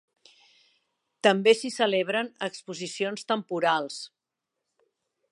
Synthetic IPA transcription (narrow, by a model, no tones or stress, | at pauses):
t̪əmbesisəleβɾənəkspuzisionst̪əmpuɾalˠs